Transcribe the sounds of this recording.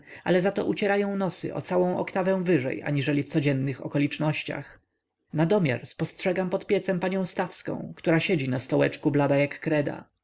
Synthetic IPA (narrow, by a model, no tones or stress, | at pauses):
a̰lɛzat̪ɔʔut͡ɕɛɾajɔ̃w̃nɔsɘ̰ʔɔ̰t̪sawɔ̃w̃ʔɔ̰kt̪avɛ̃w̃vɘʐɛ̰ja̰ɲiʐɛlʲift̪sɔd͡ʑɛnːɘxɔ̰kɔlʲit͡ʂnɔɕt͡ɕa̰x | nad̪ɔmʲja̰ɾspɔstʂɛɡampɔt̪pʲjɛt̪sɛmpaɲɔ̃w̃st̪afskɔ̰̃w̃kt̪uɾaɕed͡ʑinast̪ɔwɛt͡ʂkublad̪ajakːɾɛd̪a̰